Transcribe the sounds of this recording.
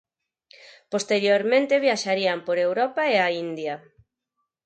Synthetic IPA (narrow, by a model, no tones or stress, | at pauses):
post̪eɾjoɾmẽnt̪eβjaʃaɾiampoɾewɾɔpaeaind̪ja